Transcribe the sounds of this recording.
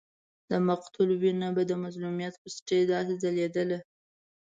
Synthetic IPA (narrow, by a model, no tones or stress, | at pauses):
d̪̥əmaqt̪ʊlwinabad̪əmazlumijɑt̪pəsʈed̪ɑsezaled̪əle